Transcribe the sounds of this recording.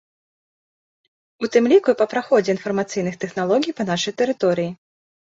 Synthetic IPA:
ut̪ɨmlʲikupɐpɾaxɔd͡zʲɛinfɐrmat̪sɨjn̪ɨxt̪ɛxnalˠɔɡʲijpɐn̪aʂɐjt̪ɛɾɨt̪ɔɾɨji

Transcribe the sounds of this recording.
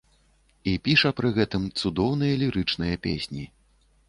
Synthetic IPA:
ipʲiʂɐpɾɨɣɛt̪ɨmt̪sud̪ɔwn̪ɨjɐlʲiɾɨt͡ʂnɨjɐpʲḛsʲnʲi

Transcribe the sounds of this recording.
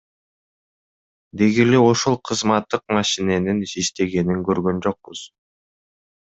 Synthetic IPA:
d̪eɡileoʃolˠqʰɯzmɑt̪ːɯq̚mɑʃine̞niniʃt̪e̞ɡe̞niŋkøɾɡø̞nd͡ʒo̞q̚buz̥

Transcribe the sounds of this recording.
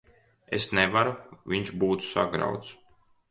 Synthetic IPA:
esnevaɾuviɲʃbuːt̪sa̰ɡɾa̰wt̪s

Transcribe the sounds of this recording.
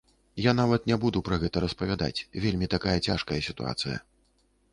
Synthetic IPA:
jan̪avɐt̪nʲɛbud̪upɾɐɣɛt̪ɐɾɐspɐvʲad̪a̰t͡sʲvʲelʲmʲit̪akajɐt͡sʲaʂkɐjɐsʲit̪ṵa̰t̪sɨjɐ̰

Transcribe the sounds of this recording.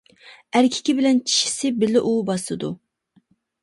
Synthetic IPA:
æɾkʲʰi̥kʲibɪlɛnt͡ʃʰi̥ʃi̥sɪbɪlɪʔubɑslˠɨd̪u

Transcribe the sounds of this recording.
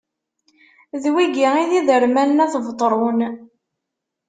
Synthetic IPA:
ðwiɡiiðiðəɾmænːæθvt̪ˤːɾˤun

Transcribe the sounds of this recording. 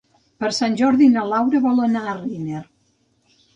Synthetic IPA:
pəɾsanʲʒɔɾðinəlawɾəβɔlənariner

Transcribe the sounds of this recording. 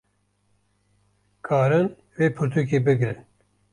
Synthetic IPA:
kʰaːɾɨn | veːpʰɨɾt̪ʰukeːbɨɡɾɨn

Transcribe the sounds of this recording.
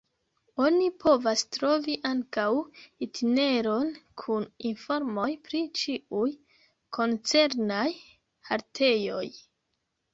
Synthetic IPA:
o̞nipʰo̞vastɾo̞viʔaŋkawitʰine̞ɾo̞nkʰuninfo̞ɾmo̞jpɾit͡ʃiuj | kʰo̞nt͡se̞ɾnaj | haɾtʰe̞jo̞j

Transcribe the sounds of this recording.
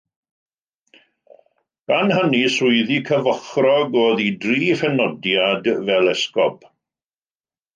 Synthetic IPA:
ɡ̥anhənisʊɨðikʰəvəχrɔɡoːðidriːfɛnɔdjadvɛlɛskɔp

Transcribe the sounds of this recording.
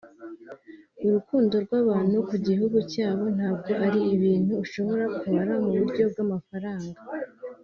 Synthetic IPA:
uɾukuːndo̞ɾɡwaːβaːn̥hukuɟihuɡucaːβo̞n̥haːb̚ɡo̞ʔaɾiiβiːn̥huːʃo̞βo̞ɾakuβaɾamuβuɾɟo̞b̚ɡamafaɾaːŋɡa

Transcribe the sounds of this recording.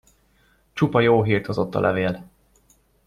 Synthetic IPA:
t͡ʃupɒjoːɦiːrt̪ʰozo̞t̪ːɒ̰lʔɛveːl

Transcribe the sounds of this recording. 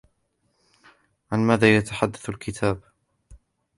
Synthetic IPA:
ʕanmaːðaːjat̪aħad̪ːaθalkʰɪt̪ʰaːb

